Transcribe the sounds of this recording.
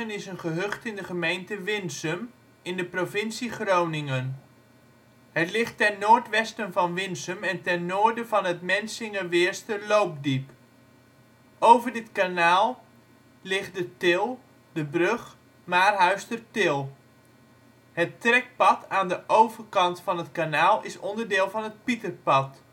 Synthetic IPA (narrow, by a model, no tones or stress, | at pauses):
ənɪsənχəɦɵχtɪndəχəmejntəʋɪnsəm | ɪndəprovɪnsiχrownɪŋən | hətlɪχtːɛnːoːɹtʋɛstənvɑnʋɪnsəmɛntɛnːoːɹdəvɑnɦətmɛnsɪŋəʋɪːɹstəlowp̚dip | ʔowvərdɪtkanaːlˠ | lɪχt̚dətɪlˠ | dəbrøχ | maːrɦœɥstərtɪlˠ | hətrɛk̚pɑtʰaːndəʔowvərkɑntfɑnɦətkanaːlˠɪsɔndərdɪːlˠvɑnət̚pitərpɑt